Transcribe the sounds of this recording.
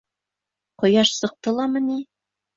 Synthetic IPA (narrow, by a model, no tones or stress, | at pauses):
qŏjɑʃsɤ̆q̚t̪ɤlˠɑmɤ̆ni